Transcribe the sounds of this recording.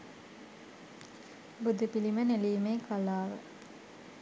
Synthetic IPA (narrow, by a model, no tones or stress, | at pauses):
bud̪upiliməneliːmeːkalaːʋə̰